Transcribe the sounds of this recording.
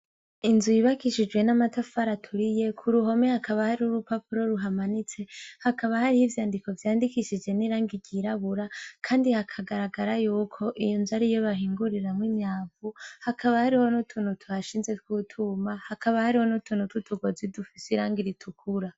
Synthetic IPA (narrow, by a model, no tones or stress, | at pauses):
inzujiβakiʃid͡ʒɡwe̞namatafaɾatʰuɾije̞kʰuɾuɦo̞mehakaβahaɾiuɾupapuɾo̞ɾuɦamanit͡se̞hakaβahaɾihivjaːndiko̞vjaːndikiʃid͡ʒɡe̞niɾaːŋɡiɟiɾaβuɾakʰaːndihakʰaɡaɾaɡaɾajuːkʰo̞ʔijonzaɾijoβaɦiːŋɡuɾiɾamŋwiɲɲaːvuhakʰaβahaɾiho̞nutʰuːnhutʰuhaʃiːnze̞t̚kwutʰumahakʰaβahaɾiho̞nutʰuːnututʰuɡozidufisiɾaːŋɡiɾitʰukʰuɾa